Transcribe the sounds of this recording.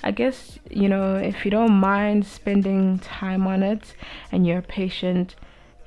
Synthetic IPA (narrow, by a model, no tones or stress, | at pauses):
ʔa̰ɪɡɛs | junoʊɪ̰fjɨɾõʊ̃nmãɪ̃ndspɛ̃ndɪ̃ŋtʰãɪ̃mɔ̃nɪtɨ̃njɔpʰeɪʃə̃nt